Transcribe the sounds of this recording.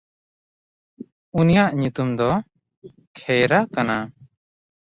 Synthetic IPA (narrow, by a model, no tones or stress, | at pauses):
unijaʔɲut̪umd̪ɔ | kʰɛjɾakana